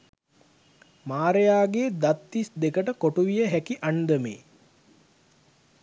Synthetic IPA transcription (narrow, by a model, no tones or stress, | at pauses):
maːɾejaːɡeːd̪at̪ːisd̪ekəʈəkoʈuʋijəɦækiʔand̪əmḛː